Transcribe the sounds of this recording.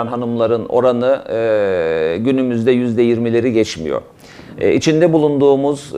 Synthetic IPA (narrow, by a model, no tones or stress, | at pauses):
nɦanumlˠaɾɯno̞̰ɾanɯ | ɟynymyzd̪ɛjyzd̪ɛjiɾmilʲe̞ɾiɟɛt͡ʃmḭjo̞̰ | it͡ʃʰind̪ɛbulˠund̪uːmuz